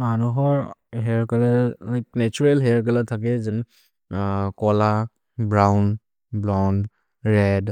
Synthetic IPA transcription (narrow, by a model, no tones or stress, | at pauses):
manuɦɔɹɦɛɹkalalajk̚nɛt͡ʃuɹelɦɛɹkalatʰak̬ɛzɯn | kɔla | bɹawn | blɔn | ɹɛd